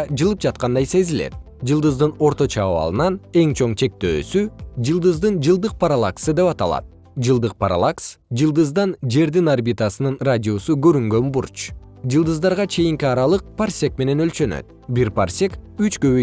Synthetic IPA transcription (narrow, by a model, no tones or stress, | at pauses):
d͡ʒɯlˠɯp̚d͡ʒɑt̪̚qɑnd̪ɑjse̞zilḛt̪̚ | d͡ʒɯlˠd̪ɯzd̪ɯno̞ɾt̪o̞t͡ʃɑːβɑ̰lˠɯnɑne̞ŋt͡ʃʰo̞ɴt͡ʃʰe̞k̚t̪ø̰ːsyd͡ʒɯlˠd̪ɯzd̪ɯnd͡ʒɯlˠd̪ɯq̚paɾalˠaksɯd̪e̞pɑt̪ɑlˠɑ̰t̪̚ | d͡ʒɯlˠd̪ɯq̚paɾa̰lˠaksd͡ʒɯlˠd̪ɯzd̪ɑnd͡ʒe̞ɾd̪inarbʲit̪asɯnɯnradʲio̞suɡø̞ɾyŋɡø̞nbuɾt͡ʃ | d͡ʒɯlˠd̪ɯzd̪ɑɾʁɑt͡ʃʰe̞jiŋkiɑɾɑlˠɯq̚pʰarsʲe̞k̚me̞ne̞nø̞lt͡ʃø̞nø̰t̪̚ | biɾparsʲe̞kyt͡ʃkø̞βy